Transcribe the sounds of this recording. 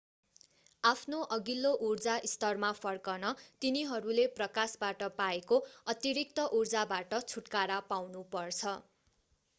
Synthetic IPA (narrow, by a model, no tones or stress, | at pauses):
apʰnoʔʌɡilːoʔurd͡zaʔist̪ʌrmapʰʌrkʌnʌt̪iniɦʌɾuleprʌkasbaʈʌpaekoʌt̪iɾik̚t̪ʌʔurd͡zabaʈʌt͡sʰuʈkaɾapawnupʌrt͡sʰʌ